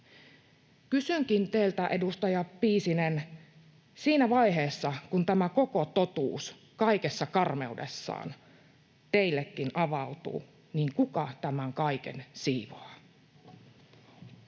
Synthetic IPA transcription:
kysyŋkint̪eːlt̪æʔe̞dust̪ɑjɑpːiːsinen | siːnæʋɑjɦeːsːɑkunt̪æmæko̞ko̞t̪o̞t̪ṵːs | kɑikesːɑkɑrme̞udḛsːɑ̰ːn | t̪eilːekːinɑʋɑut̪ṵː | niːŋkukɑt̪æmæŋkɑikḛnsiːʋoː

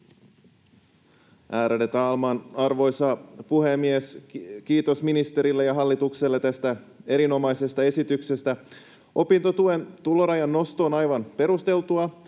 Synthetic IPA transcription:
ʔæːɾelet̪ɑɑlmɑːnɑrʋo̞jsɑpuhe̞mːiesk̟iːt̪o̞sminist̪e̞ɾilːejɑɦɑlːit̪ukselːet̪æst̪æ | e̞ɾino̞mɑjse̞st̪ɑe̞sit̪ykse̞st̪æ | ʔo̞pint̪o̞t̪ue̞nt̪ulo̞ɾɑjɑnːo̞st̪o̞ːnɑjʋɑnpe̞ɾust̪e̞lt̪uɑ

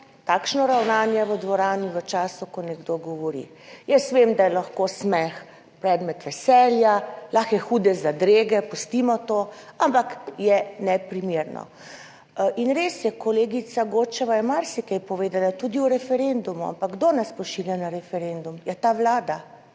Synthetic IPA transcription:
t̪aːkʃnɔɾawnaːnjɛʋəd̪ʋɔɾaːniʋət͡ʃaːsukɔnɛɡd̪oɡɔʋɔɾḭ | jəsʋemd̪ajɛlaxkoːsmɛx | pɾɛːd̪mɛt̪ʋɛsɛljalaxjɛxud̪ɛzad̪ɾeːɡɛpɔst̪imɔt̪oampakjɛnɛpɾimeːɾnɔ̰ | inɾesjɛkɔleːɡit̪saɡoːt͡ʃɛʋajɛmaɾsikɛjpɔʋeːd̪alat̪ud̪iuɾɛfɛɾend̪umua̰mpaɡ̚ɡd̪onaspɔʃiljanaɾɛfɛɾend̪umjɛt̪aʋlaːd̪a

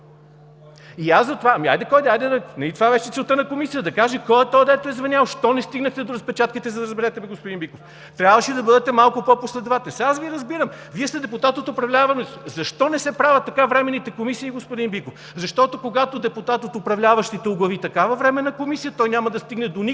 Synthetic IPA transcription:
iasɐt̪ovaɐmia̰jd̪ɛkɔjd̪ɛajd̪ɛd̪ɐnɐlʲit̪ovavɛʃɛt̪sɛlˠt̪ɤnɐkomisijəd̪ɐkaʒɛkɔjɛt̪ɔjd̪ɛt̪oɛzvɐnʲjalˠʃt̪ɔnɛst̪iɡnɐxt̪ɛd̪oɾɐspɛt͡ʃat̪̚kit̪ɛzɐd̪ɐɾəzbɛɾɛt̪ɛbɛɡospʊd̪inbikof | t̪ɾʲabvəʃid̪ɐbɤd̪ɛt̪ɛmalˠkʊpɔposlɛd̪vat̪ɛsasviɾɐzbiɾəm | viɛst̪ɛd̪ɛput̪at̪ot̪ʊpɾɐvlʲavɐnɛszɐʃt̪ɔnɛsɛpɾavɐt̪ːɐkavɾɛmɛnit̪ɛkomisiːɡospʊd̪inbikof | zɐʃt̪ɔt̪okoɡat̪od̪ɛput̪at̪ot̪ʊpɾɐvlʲavɐʃt̪it̪ɛʊɡlˠɐvit̪ɐkavɐvɾɛmɛnɐkomisijət̪ɔjnʲamɐd̪ɐst̪iɡnɛd̪oni

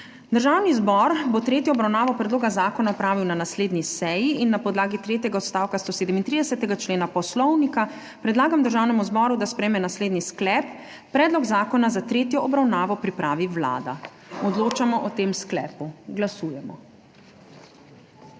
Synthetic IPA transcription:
d̪əɾʒaːwnizbɔɾbot̪ɾeːt̪jɔɔbɾawnaːʋɔpɾɛd̪loːɡazaːkɔnaɔpɾaːʋiwnanasleːd̪nisɛjiinːapɔd̪laːɡit̪ɾeːt̪jɛɡaɔt̪st̪awkast̪oːseːd̪ɛmint̪ɾid̪ɛsɛt̪ɛɡat͡ʃleːnapɔslɔwnika | pɾɛd̪laːɡamd̪əɾʒaːwnɛmuzbɔːɾud̪aspɾɛjmɛnasleːd̪nisklɛpː | ɾɛːd̪lɔɡzaːkɔnazat̪ɾeːt̪jɔʔɔbɾawnaːʋɔpɾipɾaːʋiwla̰ːd̪a | ɔd̪loːt͡ʃamɔʔɔt̪eːmsklɛ̰ːpuɡlasuːjɛmɔ̰

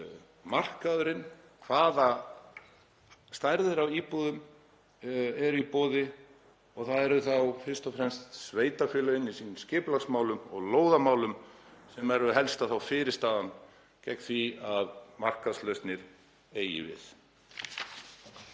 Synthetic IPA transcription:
mar̥kaðʏɾɪn | kʰv̥aːða | st̪ajɾðɪɾawiːpuðʏm | ɛɾipoːðɪ | ɔɣθaðɛɾʏθawfɪr̥st̪ɔfɾɛmst̪sveːjt̪afjʏːlœɪnːisiːnʏmscɪːplaksmaːwlʏmɔ̰ɣloːwðamaːwlʏmsɛmɛɾʏɦɛlst̪aθawfɪːɾɪɾst̪aːðan | cɛknθviaðmar̥kaðslœɥst̪nɪɾ | eːjɪ̰vɪ̰θ

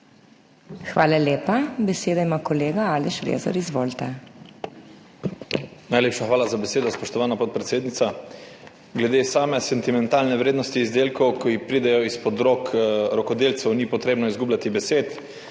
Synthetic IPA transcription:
xʋaːlalʲjeːpabɛseːd̪aimaːkɔleːɡaaːlɛʃɾḛzɔ̰ɾizʋoːlt̪ɛ | najleːpʃaxʋaːlazabɛseːd̪ɔspɔʃt̪ɔʋaːnapɔt̪̚pɾɛt̪seːd̪nit̪sa | ɡlɛd̪esaːmɛsɛnt̪imɛnt̪aːlnɛʋɾeːd̪nɔst̪iːzd̪eːlkɔwkɔixpɾiːd̪ɛjɔispɔd̪ɾokɾɔkɔd̪eːlt̪sɛwniːpɔt̪ɾeːbnɔizɡuːblʲat̪ibɛseːt̪

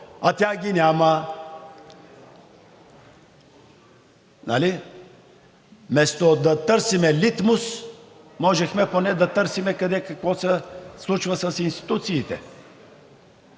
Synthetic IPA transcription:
at̪ʲjaɡʲinʲamə | nali | mɛst̪od̪ɐt̪əɾsimɛlit̪mus | mɔʒɛxmɛponɛd̪ɐt̪əɾsimɛkɐd̪ɛkɐkvɔsɛslˠut͡ʃvəsɐsinst̪i̥t̪ut̪siːt̪ɛ̰

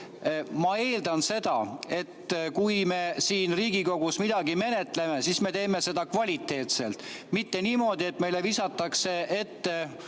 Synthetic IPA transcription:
mɑe̞ːld̪̥ɑnse̞d̪ɑe̞t̪ːkujme̞siːnriːɡiko̞ɡ̥usmid̪ɑɡime̞ne̞t̪leme̞sisme̞t̪e̞ːme̞se̞d̪ɑkvɑlʲit̪ːˑe̞ːt̪se̞̰lt̪ˑmit̪ːe̞niːmo̞ːd̪̥ie̞t̪ːme̞jle̞visɑt̪ːˑɑkse̞ʔe̞t̪ːe

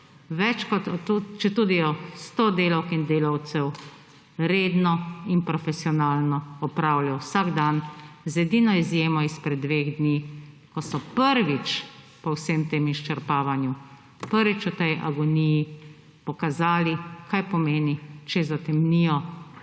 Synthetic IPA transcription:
ʋɛt͡ʃkɔt̪ɔt̪ut͡ʃɛt̪uːd̪ijɔst̪oːd̪eːlawkind̪eːlawt̪sɛw | ɾeːd̪nɔinpɾɔfɛsiɔnaːlnɔɔpɾaːwlasaɡd̪anzɛd̪inɔizjeːmɔispɾɛd̪ːʋeɣd̪ni | kɔsɔpəɾʋit͡ʃ | pɔwsemt̪eːmiʃt͡ʃɛɾpaːʋanju | pəɾʋit͡ʃɔt̪ɛjʔa̰ɡɔniji | pɔkazaːlikʰajpɔmeːnit͡ʃɛzat̪ɛmnijɔ

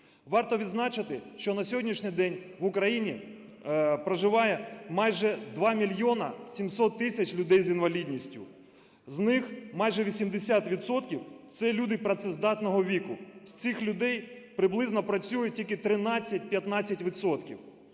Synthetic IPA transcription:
ʋɑrt̪ɔʋʲid̪znɑt͡ʃɪt̪ɪʃt͡ʃɔnɐsʲɔɦɔdʲnʲiʃnʲɪjd̪ɛnʲʋʊkɾɐjinʲi | pɾɐʒɪʋɑjɛmɑjʒɛd̪ʋɑmʲilʲjɔnɐsʲimsɔt̪ːɪsʲɐt͡ʃlʲʊd̪ɛjzinʋɐlʲidʲnʲisʲtʲʊ̰ | znɪxmɑjʒɛʋʲisʲimd̪esʲat̪ʋʲid̪sɔt̪kʲiwt̪sɛlʲud̪ɪpɾɐt̪sɛzd̪ɑt̪nɔɦɔʋʲikʊsʲt͡s̪ʲɪxlʲʊd̪ɛjpɾɪblˠɪznɔpɾɐt͡sʲujʊtʲilʲkɪt̪ɾɪnɑt͡sʲːɐt̚ʲpʲjɐt̪nɑt͡sʲːɐtʲʋʲit̪sɔt̪kʲiw

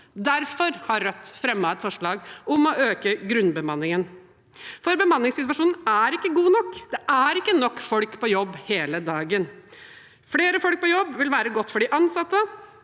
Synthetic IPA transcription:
d̪æɾfɔɾhɑɾːœt̪ːfɾɛmːɑɛt̪fɔʂɭɑːɡʊmɔʔøːkəɡɾʉnbəmɑnːɪŋən | fɔɾbəmɑnːɪŋsɪt̪ʋɑʂuːnn̩æɾɪkːəɡuːnɔkːd̪ɛʔæɾɪkːənɔkːfɔlkpʰɔjɔbːheːləd̪ɑːɡən | fleːɾəfɔlk̚pɔjɔbʋɪlʋæːɾəɡɔt̪ːfɔɖɪʔɑnsɑt̪ːə

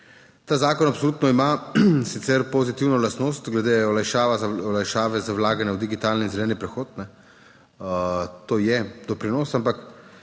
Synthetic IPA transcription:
t̪aːzaːkɔnapsoluːt̪nɔimasit̪sɛɾpozit̪iwnɔlast̪noːst̪ɡlɛd̪eɔlajʃaːʋaɔlajʃaːʋɛzawlaːɡanjawd̪iɡit̪aːlninzɛlɛːnipɾɛxoːt̪nɛ | t̪oːjɛd̪ɔpɾinoːsampak

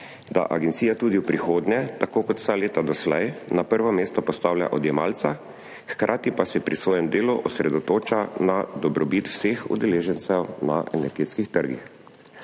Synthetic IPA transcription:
d̪a̰ʔa̰ɡɛnt̪sijat̪uːd̪iwpɾixoːd̪ɲɛt̪akoːkɔt̪w̥saleːt̪ad̪ɔslɛjnapəɾʋɔmeːst̪ɔpɔst̪aːwlʲja̰ʔɔd̪jɛmaːlt̪sa | xkɾʔaːt̪ipasɛpɾisʋɔːjɛmd̪eːluʔɔsɾɛd̪ɔt̪oːt͡ʃanad̪ɔbɾʔɔbit̪wsexṵd̪ɛleːʒɛnt̪sɛwnaʔɛnɛɾɡeːt̪skixt̪əɾɡḭx

